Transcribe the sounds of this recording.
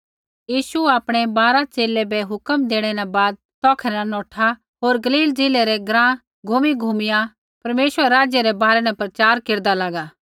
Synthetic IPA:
jiːʃuaːpɽ̃ɛbaːɾat͡ʃeːlɛbɛɦʊkəmd̪eːɽ̃ɛnabaːd̪̚ | t̪ɔːkʰɛnanɔːʈʰa | ɦoːɾɡɐliːld͡zeːlɛɾɛɡɾãː | ɡʱuːmiɡʱuːmɪja | pɐɾmeːʃwəɾeɾaːd͡ʒjəɾɛbaːɾɛnɛpɾɐt͡ʃaːɾkeːɾd̪alaːɡaː

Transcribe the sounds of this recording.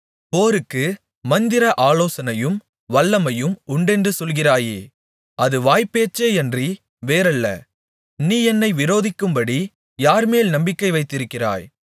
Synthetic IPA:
poːɾɯkːɯ | mɐnd̪ɪɾɐʔaːloːsɐnɐjɯm | ʋɐlːɐmɐjɯmʊɳɖɛndrɯsɔlɣɪraːjeː | ʔɐðɯʋaːjpːeːt͡ʃːeːɛndri | ʋeːɾɐlːɐ̰ | niːɛnːɐɪʋɪɾoːðɪkːɯmbɐɽi | jaːɾmeːlnɐmbɪkːɐɪʋɐɪt̪ːɪɾɯkːɪra̰ːj

